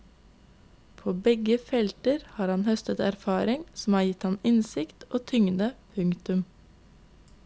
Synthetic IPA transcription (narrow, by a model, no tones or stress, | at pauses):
pʰoːbɛɡəfɛlt̪əɾhɑːɾɑnhœst̪ət̪æɾfɑːɾɪŋsm̩ɑːɾjɪt̪hɑnɪnsɪkt̪ʔoːt̪ʰʏŋd̪əpʰʉŋt̪ʉm